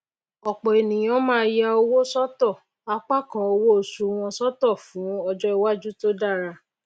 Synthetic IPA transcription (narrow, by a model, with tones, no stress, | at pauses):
ɔ˨k͡pɔ˨e˨nĩ˨j̃ɔ̃˨˦mãː˦ja˧o˧wo˦sɔ˦tɔ˦˨ | a˦k͡pa˦kã˧o˧wo˦o˨su˨˧w̃ɔ̃˧sɔ˦tɔ˦˨fũ˨˦ɔ˧d͡ʒɔ˦i˦wa˦d͡ʒu˦to˦da˦˨ɾa˧